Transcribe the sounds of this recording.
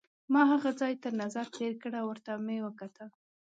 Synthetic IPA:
mɑɦaɣad͡zɑjt̪əɾnazaɾt̪eɾkəɽawəɾt̪amewəkat̪ʰə

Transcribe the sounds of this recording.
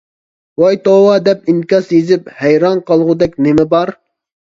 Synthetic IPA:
wɑjt̪owɑd̪ɛp̚inkʲɑsjezɪp̚hɛjɾɑnqʰɑlˠʁʊd̪ɛkʲnɪmɪbɑɾ

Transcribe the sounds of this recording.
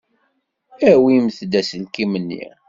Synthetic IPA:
æwimθd̪æsəlkimənːḭ

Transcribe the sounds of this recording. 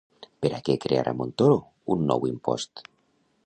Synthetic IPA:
peɾakekɾea̰ɾʔa̰mont̪oɾo | unːɔ̰wimpɔ̰st̪

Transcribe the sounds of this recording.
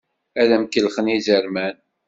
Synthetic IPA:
æðæmkːəlχənizəɾmæn

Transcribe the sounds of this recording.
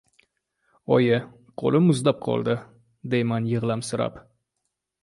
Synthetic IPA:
ɒjɪ | qʰo̰lˠɪmʊzlap̚qʰɒ̰lˠd̪ɪ | d̪ejmanjɨʁlˠamsʊɾa̰p

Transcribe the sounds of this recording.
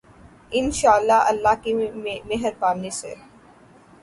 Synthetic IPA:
ɪnʃaːəlːaɐlːakimeɦəɾpaːmnisḛ

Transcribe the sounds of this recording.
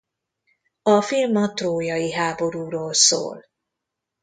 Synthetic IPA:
ɒfilmɒt̪roːjɒiɦaːbo̞ɾuːɾoːlso̰ːl

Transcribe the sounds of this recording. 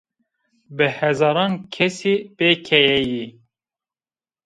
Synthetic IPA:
bɨhɛzɑːɾɑːnkʰɛsiːbeːkʰɛjɛji

